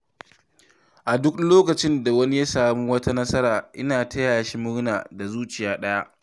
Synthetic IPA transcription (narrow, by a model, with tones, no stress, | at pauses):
ʔa˨dʊ˦kloː˦kɐ˨t͡ʃɪ˦nda˨wɐ˦ni˦ja˦saː˨mu˦wɐ˦ta˦nɐ˦sɐ˦ɾaː˨ʔɪ˦naː˨tʰɐ˦jaː˨ja˨ʃi˦mʊ˦ɽnaː˨da˨zuː˦t͡ʃɪ˨jaː˦ɗɐ˦ja˦ʔ